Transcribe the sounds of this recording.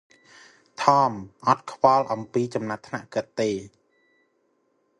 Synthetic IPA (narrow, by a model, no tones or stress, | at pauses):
t̪ʰɑːmʔɑt̪̚kʰʋɑlʔɑmpiːt͡ɕɑmnat̪ʰnaʔkɨt̪ːeː